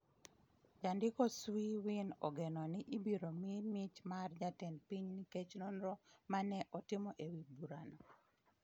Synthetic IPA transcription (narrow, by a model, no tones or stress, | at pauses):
d͡ʒandɪkɔswiwinɔ̰ɡenɔnɪʔibiɾomimit͡ʃmard͡ʒatɛnpiɲniket͡ʃnonɾɔmanɛʔɔtɪmɔʔewibuɾanɔ